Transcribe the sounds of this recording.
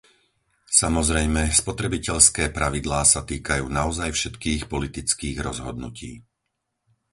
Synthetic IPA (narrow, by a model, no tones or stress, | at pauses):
samɔzɾɛjmɛspɔt̪ɾɛbicɛʎskɛːpɾaʋid̪laːsat̪iːkajuːnaɔzajfʃɛt̪kiːxpɔlit̪it͡skiːɣɾɔzɦɔd̪nṵcḭː